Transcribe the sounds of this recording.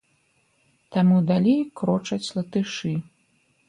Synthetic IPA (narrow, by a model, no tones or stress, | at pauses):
t̪amud̪alʲejkɾɔt͡ʂɐt͡sʲlˠɐt̪ɨʂɨ